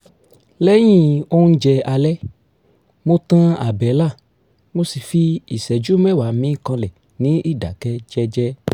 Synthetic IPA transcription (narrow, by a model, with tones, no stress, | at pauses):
lɛ˦j̃ĩ˦o˦ũ˦˧˦d͡ʒɛ˧a˧lɛ˦ | mo˦tã˦a˨bɛ˨˦la˦˨ | mo˧si˨fi˧i˨sɛ˨d͡ʒu˦mɛ˦˨wa˨˦mĩ˨˦˨kã˧lɛ˨ | nĩ˨˦i˦˨da̰˨kɛ˧d͡ʒɛ˧d͡ʒɛ˦